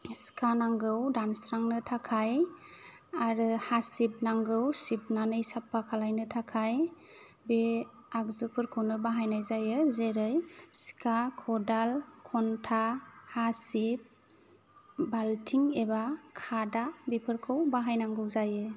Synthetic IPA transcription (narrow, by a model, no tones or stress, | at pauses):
skʰanaŋɡɯwdansɾaŋnɯtʰakʰaj | aɾɯhasip̚naŋɡɯwsip̚nanɯjsapʰːakʰalajnɯtʰakʰaj | be | akzupʰɯɾkʰɯwnɯbaɦajnajzajɯzeɾɯjskʰakʰɔdalkʰɔntʰahasip̚ | baltʰiŋebakʰadabipʰɯɾkʰɯwbaɦajnaŋɡɯwzajɯ